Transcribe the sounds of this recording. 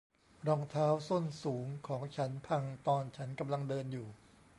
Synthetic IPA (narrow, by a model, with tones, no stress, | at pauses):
ɾɔː˧ŋt̪ʰaː˦˥wsu˥˩nsuː˩˦ŋkʰɔː˩˦ŋt͡ɕʰa˦˥npʰa˧ŋt̪ɔː˧nt͡ɕʰa˦˥nka˧mla˧ŋdɤː˧njuː˨˩